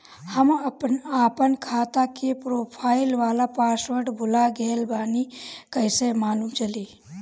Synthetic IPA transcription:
həməpnaːpənkʰaːt̪akepɾoːpʰaːɪlʋaːlapaːsʋəɾɖbʱʊlaɡeːlbaːnikəɪsemaːluːmt͡ʃəliː

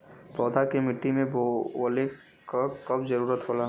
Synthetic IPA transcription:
pɔːd̪ʱakemɪʈːimẽbole | kakɐbd͡ʒɐɾuːɾət̪ɦoːla

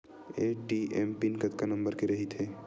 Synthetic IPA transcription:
eːʈiempinkɐt̪kanɐ̃mbəɾkeɾɐɦit̪ʰɦeː

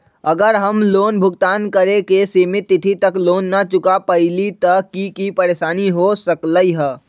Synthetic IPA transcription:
əɡəɾɦəmloːnbʱʊɡt̪aːnkəɾekesimɪt̪ːɪt̪ʰit̪əkloːnːət͡ʃʊkapəɪlit̪əkikipəɾeːsaːniɦosəkləiɦə

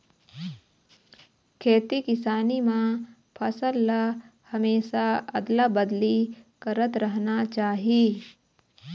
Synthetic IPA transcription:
kʰeːt̪ikɪsaːnimã | pʰɐsəlːa | hɐmeːʃaɐ̰d̪labɐd̪likɐɾət̪ɾɐɦnat͡ʃaːɦieː

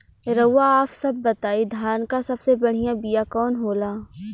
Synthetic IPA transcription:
ɾɐːaːpsɐb̚ːɐt̪aːid̪ʱjaːnkasɐbsebɐɽ̤ijãbijakɔːnɦoːlaː

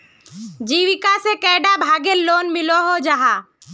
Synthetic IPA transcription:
d͡ʒiːʋɪkasekɛːɖabʱaːɡelːoːnmɪloɦod͡ʒaɦaː

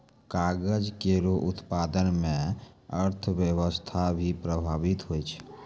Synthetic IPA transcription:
kaːɡəd͡ʒkeɾoʔʊt̪paːd̪ənmẽəɾt̪ʰwjəwəst̪ʰabʱipɾəbʱaːʋɪt̪ɦoit͡ʃʰ

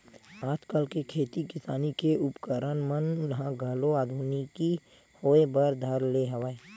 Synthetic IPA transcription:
aːd͡ʒkəlkekʰeːt̪ikɪsaːnikeʊpkəɾənmənjɐɦãɡʱəloaːd̪ʱuːniki | hoːebəɾd̪ʱɐɾleɦəʋaːeː

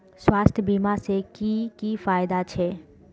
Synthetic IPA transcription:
swaːst̪ʰjəbimasekikifaːɪd̪at͡ʃʰe

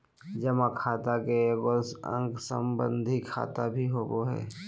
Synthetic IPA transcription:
d͡ʒəmãkʰaːt̪akekosə̰̃ŋɡsə̰mbə̃nd̪ʱikʰa̰ːt̪abʱiɦoːboɦɛ̰ː

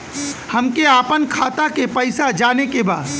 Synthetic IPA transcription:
hɐmkeaːpənkʰaːt̪akepɐɪsad͡ʒaːnekeba̰ːd̪

